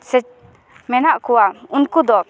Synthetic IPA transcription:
sɛt͡ʃ | mɛnaʔkuwaunkud̪ɔ

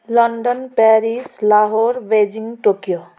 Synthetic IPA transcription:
ləɳɖənpɛːɾislaːɦoːɾʋeːd͡ʒĩŋɡʈoːkijo

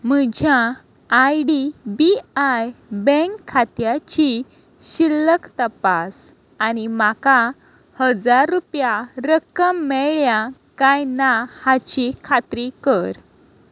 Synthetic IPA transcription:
m̤əd͡ʑʱjãː | jɖibiajbẽkʰːat̪jat͡ɕi | ɕilːəkt̪əpas | animaka | həd͡zaɾːupjaɾəkəmːɛɭjakajnahat͡ɕikʰat̪ɾikəɾ

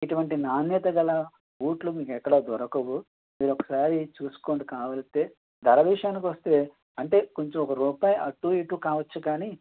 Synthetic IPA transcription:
iʈuʋɐɳʈinaːnjɛt̪ɐɡɐlɐ | uːʈlumiːkɛkːɐɽoːd̪ʱɔɾɐkɐʋu | miːɾɔkɐ̥saːɾit͡ʃuːsu̥koːɳɖikaːʋɐlɐt̪e̞ː | d̪ʱɐɾɐʋiʂɐjaːnik̬iʋɐst̪eː | ɐɳʈe̞ːkoɲt͡ʃomɔkɐɾuːpaːjʔɐʈːuːiʈːukaːʋɐt͡ʃːukaːni

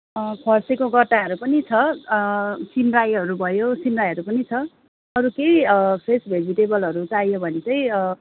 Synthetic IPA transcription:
kʰʌrsekoɡʌʈːaɦʌɾupʌnit͡sʰʌ | simrajɦʌɾubʱʌjosimrajɦʌɾupʌnit͡sʰʌ | ʌɾukejʌpʰresbʱed͡ziʈebʌlɦʌɾut͡sajobʱʌnet͡sʌj̃

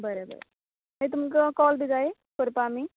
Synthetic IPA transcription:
bəɾebə̰ɾḛ | ɦet̪̬umk̬akɔːlbʱid͡zae | koɾpaːmi

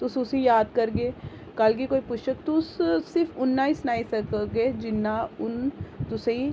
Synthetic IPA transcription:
t̪ʊsʊsijaːd̪kɐɾɡeː | kɐlk̬ikoːipʊʃtək̚t̪ʊsːɪɾfʊnːaːisʊnaːisɐkoɡeːd͡ʒɪnːaʊnt̪ʊsei

